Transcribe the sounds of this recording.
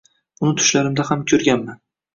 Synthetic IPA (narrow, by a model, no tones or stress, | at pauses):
ʊnɪt̪ʰʊ̥ʃlaɾɪmd̪ahamkʲʰɵɾɡʲanman